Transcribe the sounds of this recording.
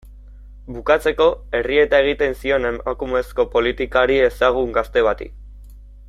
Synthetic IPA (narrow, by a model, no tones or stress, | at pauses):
bukat͡se̞ko̞e̞rie̞t̪ae̞ɣ̞it̪e̞nsio̞ne̞makume̞sko̞po̞lit̪ikaɾie̞saɣ̞uŋɡast̪e̞βat̪ḭ